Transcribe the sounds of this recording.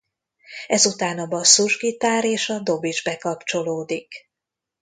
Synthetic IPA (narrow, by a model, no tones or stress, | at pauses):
ɛzut̪aːnɒbɒsuʒɡit̪aːɾeːʃɒd̪o̞bid͡ʒbɛkɒpt͡ʃo̞loːd̪ik